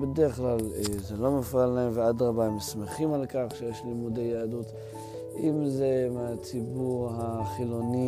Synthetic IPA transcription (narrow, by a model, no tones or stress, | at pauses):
bedeʁeχlalezelo̞mefalːaemvead̪ʁabaemesmeχimalkaχʃejeʃlimudejaadut̪ | ʔimzemeat͡sibuʁhaχilo̞ni